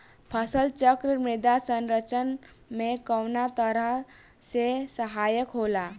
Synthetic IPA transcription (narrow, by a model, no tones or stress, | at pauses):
pʰəsəlt͡ʃəkɾəmɪd̪asə̃nɾət͡ʃən | mẽkəwnat̪əɾəɦ | sesəɦaːjəkɦoːlaː